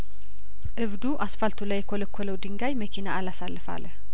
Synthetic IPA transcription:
ʔɨβd̪uʔasfalt̪ʰulajːɛkʰoləkʰːoləwd̪ɨŋɡajməkʰinaːlasalːɨfa̰ləh

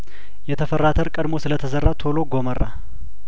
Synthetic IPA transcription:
jɛt̪ʰəfərːat̪ʰəɾkʼəd̪mo̞sɨlət̪ʰəzərːat̪ʰo̞lo̞ɡomərːa̰

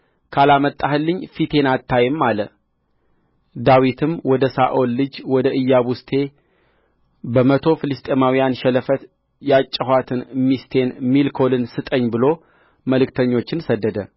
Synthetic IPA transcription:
kʰalamət̪ʼːahɨlːɨɲːfit̪ʰe̞nat̪ːajɨmːalə | d̪awit̪ʰɨmwɔd̪əsaʔo̞lːɨd͡ʒwɔd̪əɨjːaβust̪ʰe̞ | bəmət̪ʰo̞fɨlɨst̪ʼemawijanʃɛləfət̪ | jat͡ʃʼːəhwat̪ʰɨnmist̪ʰe̞nmilkʰo̞lɨnsɨt̪ʼəɲːbɨlo̞ | məlɨkt̪ʰəɲːo̞t͡ʃːɪnsəd̪ːəd̪ə

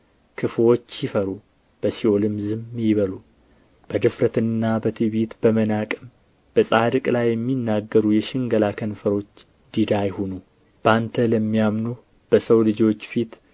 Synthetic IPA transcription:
kʰɨfwo̞t͡ʃːjɪfəɾu | b̥əsiolɨmzɨmjɪβəlu | b̥əd̪ɨfɾət̪ɨnːabət̪ʰɨβit̪b̥əmənakʼɨm | b̥əsʼad̪ɨkʼlajːɛmːinːaɡːəɾujɛʃɪŋɡəlakʰənfəɾo̞t͡ʃː | d̪̥id̪ajhonu | b̥ant̪ʰələmːijamnu | b̥əsəwlɨd͡ʒo̞t͡ʃːfit̪

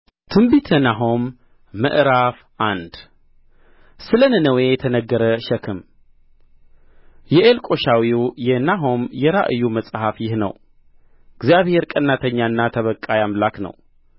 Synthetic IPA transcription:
t̪ʰɨmbit̪ʰənaɦomː | ɨ̰ʔɾaf | ʔand̪ | sɨlənɨnəwejɛt̪ʰənəɡːəɾəʃəkʰɨm | jɛʔelkʼo̞ʃawijɛnaɦomjɛɾaʔɨjːuməsʼhafjɪhnə̰w | ɨɡzijaβhe̞ɾkʼənːat̪ʰəɲːaɨnːat̪ʰəβəkʼːajamlaknə̰w

